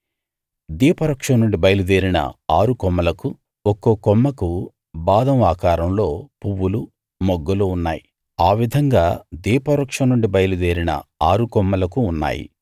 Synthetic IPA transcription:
d̪iːpɐɾɐkʂɐmnːuɳɖibɐjlud̪eːɾinɐ̰aːɾukɔmːɐlɐku | ɔkːoːkɔmːɐku | baːd̪ɐmaːkaːɾɐmlo̞ːpuwːulu | mɔɡːɐlounːa̰ːji | aːʋid̪ʱɐŋɡaːd̪iːpɐɾɐkʂɐmnːuɳɖibɐjlud̪eːɾinɐ̰aːɾukɔmːɐlɐkuːnːa̰ːjḭ

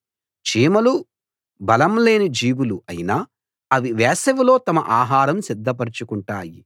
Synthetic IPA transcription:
t͡ʃiːmɐlu | bɐlɐmle̞ːnid͡ʒiːʋuluɐjinaː | ɐʋiʋɛːsɐʋilo̞ːt̪ɐmɐ̰ʔaːɦaːɾɐmsid̪ːɐpɐɾit͡ʃukuɳʈaːji

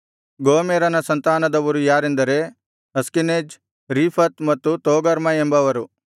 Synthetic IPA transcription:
ɡoːmeːɾɐnɐsɐnt̪aːnɐd̪ɐʋɐɾujaːɾend̪ɐɾe | ɐskineːd͡ʒ | ɾiːpʰɐt̪mɐt̪ːut̪oːɡɐɾmɐembɐʋɐɾu

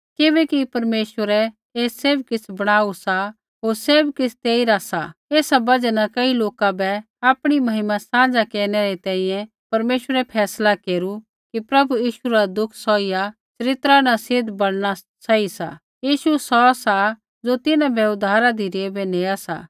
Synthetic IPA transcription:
kɪbɛkipɐɾmeːʃwəɾɛ | eːseːbkɪt͡sʰbɐɽ̃aːusa | ɦoːɾseːbkɪt͡sʰt̪eːiɾasa̰eːsabɐd͡ʒɛnakɐiloːkabɛ | aːpɽ̃imɐɦɪmãsãːd͡zakeːɾñɛɾɛt̪ɛ̃ːĩjɛ̃ | pɐɾmeːʃwəɾɛpʰɛːslakeːɾu | kipɾɐbujiːʃuɾad̪ʊkʰsɔːija | t͡ʃɐɾɪt̪ɾanasɪd̪bɐɽɽ̃a | t͡ʃaisa̰ | jiːʃusɔsa | d͡zot̪ɪnãbʱɛʊd̪ʱaːɾad̪iɾeːbeneːasa̰ː

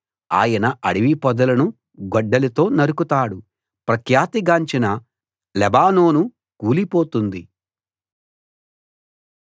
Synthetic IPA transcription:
a̰ːjɐnɐʔɐɽiʋipɔd̪ɐlɐnu | ɡɔɖːɐlɐt̪o̞ːnɐɾukut̪aːɽu | pɾɐkʰjaːt̪iɡaːɲt͡ʃinɐ | lɛbaːno̞ːnu | kuːlipo̞ːt̪und̪i

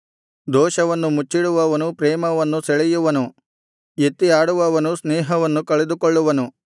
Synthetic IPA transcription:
d̪ɔːʃɐʋɐnːumut͡ʃːiɽuʋɐʋɐnupɾɛːmɐʋɐnːuseɭɛjuʋɐnu | et̪ːiaːɽuʋɐʋɐnusnɛːɦɐʋɐnːukɐɭed̪ukoɭːuʋɐnu

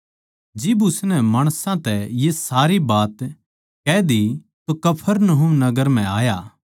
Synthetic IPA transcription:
d͡ʒɪbʊsnɛmaːɽ̃sãt̪ɛjesaːɾibaːt̪ | kɛːd̪i | t̪okɐpʰəɾnɐɦʊmnɐɡəɾm̤ɛ̃aːjaː

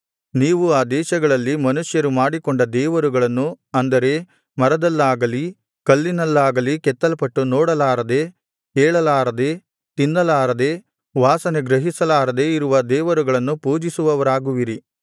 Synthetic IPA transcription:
niːʋuaːd̪ɛːʃɐɡɐɭɐlːimɐnuʂjɐɾumaːɽikoɳɖɐd̪ɛːʋɐɾuɡɐɭɐnːu | ɐnd̪ɐɾe̞ | mɐɾɐd̪ɐlːaːɡɐli | kɐlːinɐlːaːɡɐlikɛt̪ːɐlɐpɐʈːunoɔːɽɐlaːɾɐd̪e̞ː | kɛːɭɐlaːɾɐd̪e̞ː | t̪inːɐlaːɾɐd̪eː | ʋaːsɐneɡɾɐɦisɐlaːɾɐd̪e̞iɾuʋɐd̪ɛːʋɐɾuɡɐɭɐnːupuːd͡ʒisuʋɐʋɐɾaːɡuʋiɾi

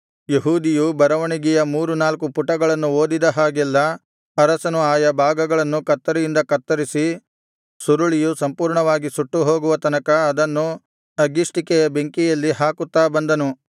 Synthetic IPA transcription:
jeɦuːd̪ijubɐɾɐʋɐɳiɡɛjɐmuːɾunaːlkupuʈːɐɡɐɭɐnːuo̞ːd̪id̪ɐɦaːɡɛlːɐ | ɐɾɐsɐnuaːjɐbʱaːɡɐɡɐɭɐnːukɐt̪ːɐɾijind̪ɐkɐt̪ːɐɾisi | suɾuɭijusɐmpuːɾɳɐʋaːɡisuʈːuɦo̞ːɡuʋɐt̪ɐnɐkɐːd̪ɐnːu | ɐɡisʈikɛjɐbeŋkijɐlːiɦaːkut̪ːaːbɐnd̪ɐnu

